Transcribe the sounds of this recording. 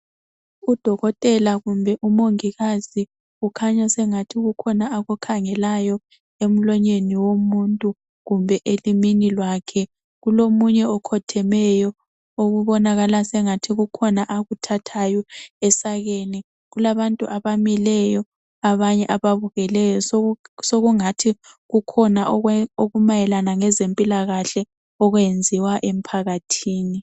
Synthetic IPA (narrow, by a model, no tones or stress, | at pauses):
ud̥ʱɔɣɔtʼɛlaɣumbʱɛʔumoŋiɣazi | ukʰaɲasɛŋatʰiɣukʰɔnaaɣukʰaŋɛlajɔ | em̩lɔɲeniwomuntʼu | ɣumbʱɛʔeliminilwakʰɛ | ɣulomuɲɛɔkʰɔtʰɛmɛjɔ | oɣuβɔnaɣalasɛŋatʰiɣukʰɔnaʔaɣutʰatʰajɔɛsaɣeni | ɣulaβantʼuʔaβamilɛjɔ | aβaɲɛʔaβaβuɣɛlɛjɔssoɣuŋatʰi | ɣukʰɔnaʔoɣumajɛlanaŋɛzempʼilaɣaɬɛ | ɔɣwend͡zʱiwaʔem̩pʰaɣatʰiːni